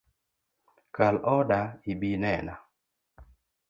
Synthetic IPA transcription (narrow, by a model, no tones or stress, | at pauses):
kalɔdaibinɛna